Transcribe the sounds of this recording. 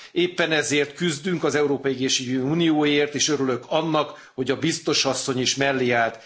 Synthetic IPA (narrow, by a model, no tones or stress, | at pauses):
eːpːɛnɛzeːrt̪kyzd̪yŋkɒzɛuɾoːpɒjiɛɡeːʃiɡøuːnijoːjeːrt̪eːʃøɾylø̞kɒnːɒk | ho̞ɟɒbist̪o̞ʃɒsːo̞ɲiʃmɛlːiaːt̪